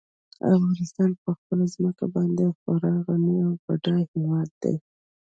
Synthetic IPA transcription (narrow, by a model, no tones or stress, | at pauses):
a̰fɣɑnɪst̪ɑnpəxpəlazməkabɑnd̪exoɾɑɣanəawbaɖɑjhewɑd̪ːa̰j